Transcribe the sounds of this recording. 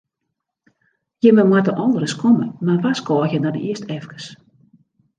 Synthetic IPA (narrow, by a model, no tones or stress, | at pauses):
jəməmwatəʔɔndəɾəskʰɔmə̰marʋaskɔːxjəndɔnə̰iəstʰɛfkə̥s